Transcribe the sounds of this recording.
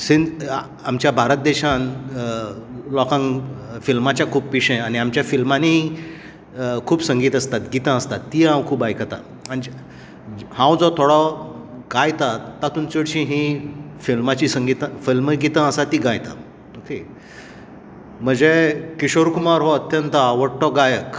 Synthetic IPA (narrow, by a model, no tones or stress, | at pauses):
sin | amt͡ɕjabʱaɾət̪̚d̪ɛɕãn | lɔkãŋfilmat͡ɕjakʰuːppiɕə̃aɽ̃iamt͡ɕjafilmanei | kʰuːbsəŋɡiːt̪əst̪at̪ɡit̪ə̃əst̪at̪ːiɦãwkʰuːbajkʰət̪a̰ | ani | hãwd͡zɔt̪ʰoɽɔɡajt̪at̪ːat̪uːnt͡siɽɕĩɦĩfilmat͡ɕisəŋɡit̪ə̃filməɡit̪ə̃əsat̪iɡãjt̪a̰ | oke | m̤əd͡zekiɕoɾkumaɾɦoət̪jənt̪əaʋəɽʈɔɡajək